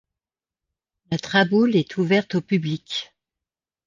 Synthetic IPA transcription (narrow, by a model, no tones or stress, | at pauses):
lat̪χabulɛt̪ʰuvɛʁt̪opyblikʲ